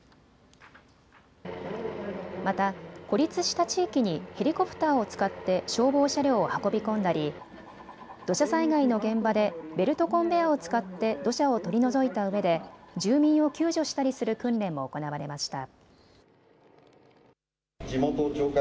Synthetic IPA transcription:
mat̪ako̞ɾʲit͡sɨɕi̥t̪at͡ɕiːkʲiɲ̟ihe̞ɾʲiko̞pɯ̥t̪aːo̞t͡sɨ̥kat̪ːe̞ɕo̞ːbo̞ːɕaɾʲoːhako̞bʲikõ̞nd̪aɾʲi | d̪̥o̞ɕasaiɡaino̞ɡẽ̞mbad̪e̞be̞ɾɯ̟t̪o̞kõ̞mbe̞ao̞t͡sɨ̥kat̪ːe̞d̪o̞ɕao̞t̪o̞ɾʲino̞zo̞it̪aɯ̟βe̞d̪e̞d͡ʑɨːmʲĩɰ̃o̞kʲɨːʑo̞ɕi̥t̪aɾʲisɨɾɯ̟kɯ̟̃nɾẽ̞mːo̞ːko̞naβaɾe̞maɕi̥t̪a̰ | d͡ʑimot̪ot͡ɕoːk

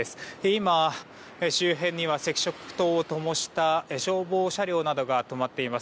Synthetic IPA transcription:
esɨ̥eima | eɕɨːɦẽ̞ɲ̟ːiβase̞kʲi̥ɕo̞kɯ̥t̪o̞ːot̪o̞mo̞ɕi̥t̪aeɕo̞ːbo̞ːɕaɾʲo̞ːnad̪o̞ɡat̪o̞mat̪ːe̞imas

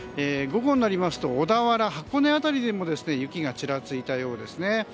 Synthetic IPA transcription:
eːɡo̞ɡõ̞nːaɾʲimasɨ̥t̪o̞ːd̪aβaɾaɦakːo̞ne̞at̪aɾʲid̪e̞mo̞d̪e̞sɨne̞jɯ̟kʲiɡat͡ɕiɾat͡sɨit̪ajo̞ːd̪e̞sɨne̞

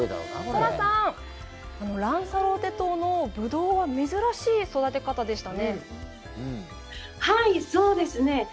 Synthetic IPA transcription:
ed̪a̰akoɾasãɴ | ano̞ɾãɰ̃saɾo̞t̪e̞t̪oːno̞bɯ̟d̪o̞ːβame̞zɨɾaɕiːso̞d̪at̪e̞kat̪ad̪e̞ɕi̥t̪anẽ̞ | haiso̞ːd̪e̞sɨne̞

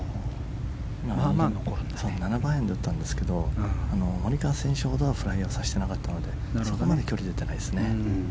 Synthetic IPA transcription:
ima | sonanabaːe̞nd̪eɯ̟t̪ːãnd̪e̞sɨ̥ke̞d̪o̞ano̞moɾʲikaːsẽ̞ɕoho̞d̪o̞βaɸɯ̟ɾaio̞saɕi̥t̪e̞nakat̪ːano̞d̪e̞ | so̞komad̪e̞kʲo̞ɾʲid̪et̪ːe̞naisɨne̞

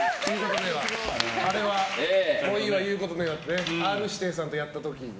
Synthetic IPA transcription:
siːkot̪od̪eβaaɾe̞βakoiβajɯ̟ːko̞t̪o̞d̪eβat̪ːeneaɾɯ̟ɕi̥t̪e̞ːs̬ãnt̪o̞jat̪ːat̪o̞kʲi

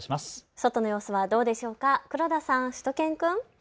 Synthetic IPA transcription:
ɕimasso̞t̪o̞no̞jo̞ːsoβad̪o̞ːd̪e̞ɕo̞ːkakɯ̟ɾo̞d̪asãɰ̃ɕɨ̥t̪o̞kẽ̞ŋkɯ̟̃ŋ

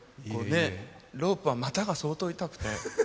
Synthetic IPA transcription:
koːne̞ | ɾo̞ːpɯ̟βamat̪aɡaso̞ːt̪o̞it̪akɯ̟̥t̪e̞̰

